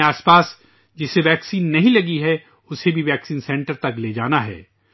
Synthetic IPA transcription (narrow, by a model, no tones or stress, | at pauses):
aːspaːs | d͡ʒɪseʋɛːksiːnːɐɦĩlɐɡiɦɛ | ʊsebʱiʋɛːksiːnsɛ̃ɳʈəɾt̪ɐkleːd͡ʒaːnaɦɛ̰ː